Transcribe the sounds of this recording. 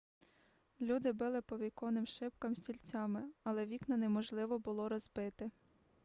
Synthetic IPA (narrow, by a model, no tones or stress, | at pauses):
lʲud̪ɪbɪlˠɪpɔʋʲijkɔnɪmʃɪpkɐmsʲtʲilʲt͡sʲɑmɪɐlˠɛʋʲiknɐnɛmɔʒlˠɪʋɔbʊlˠɔɾɔzbɪt̪ɪ